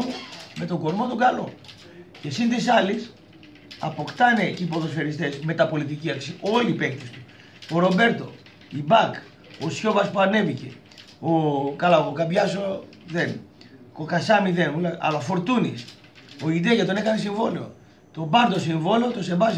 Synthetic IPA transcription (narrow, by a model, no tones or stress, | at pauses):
mume̞t̪o̞ɡo̞ɾmo̞t̪oɡɐlo | ce̞sint̪isɐlis | ɐ̰po̞kt̪ɐne̞cipo̞ðo̞sfe̞ɾist̪e̞sme̞t̪ɐpo̞lit̪̬iciɐksio̞liːpe̞kt̪est̪u̥ | oɾo̞be̞ɾt̪o̞̰ | ibɐk | osço̞vɐspuane̞vice̞̰ | okɐlaokokɐbʝɐso | ðe̞nko̞kɐsɐmiðenulaɐ̰lɐofo̞ɾt̪unis | o̞id̪eʝat̪o̞nekɐnes̬iɱvo̞leo̰ | t̪o̞bɐɾd̪o̞siɱvo̞leot̪o̞se̞bɐs